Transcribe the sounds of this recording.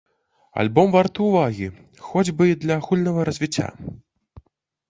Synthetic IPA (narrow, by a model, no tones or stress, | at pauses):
a̰lʲbɔmvart̪ɨwvaɣʲi | xɔd͡zʲbɨid̪lʲɐxulʲnɐɣɐɾɐzʲvʲit͡sʲːa̰